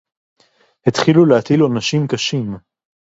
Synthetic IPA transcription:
het̪χilulehat̪ilonaʃimkaʃim

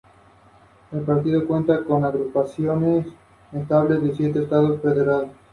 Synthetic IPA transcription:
elpaɾt̪iðo̞kwe̞nt̪akonaɣɾupasjones | est̪aβle̞zðesjet̪eːst̪aðosfeðeɾales

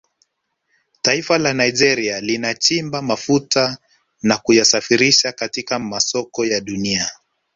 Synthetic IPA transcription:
taifalanaiʄɛɾialinat͡ʃimbamafuta | nakujasafiɾiʃakatikamasɔkɔjaɗunia

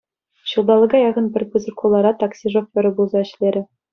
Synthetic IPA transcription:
ɕɯlˠd̪ɑlˠɤ̆ɡɑjɑʁɤ̆npʲɘ̆rʲpuzʲɤ̆kʰulˠːɑɾɑt̪ɑksʲiʐofʲʋʲɘ̆ɾʲɘ̆bulˠzɑɘ̆ɕlʲeɾʲɘ̆

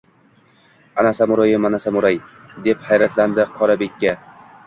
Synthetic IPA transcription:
anasamʊɾɒjɪmanasamʊɾajd̪e̞phajɾat̪ʰland̪ɪqʰɒɾabe̞kʲːa

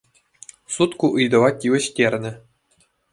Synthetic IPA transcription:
sut̪kuʔɯjd̪ɤ̆ʋɑtʲiʋʲɘ̆ɕtʲerʲnʲɘ̆

